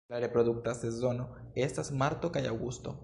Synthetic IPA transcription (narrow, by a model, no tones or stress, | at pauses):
laɾepɾoduk̚t̪asezo̞no̞ | est̪asmaɾt̪okajawɡust̪o̞̰